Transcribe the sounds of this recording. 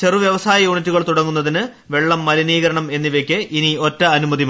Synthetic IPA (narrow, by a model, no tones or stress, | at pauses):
t͡ɕe̞ruʋjɐʋɐsaːjɐjuːɳitːuɣɐɭt̪uɽɐŋːunːɐðinɨ | ʋe̞ɭːɐmːɐliniːɣɐɾɐɳɐme̞nːiʋekʲːeʔinio̞tːɐɐnumɐðim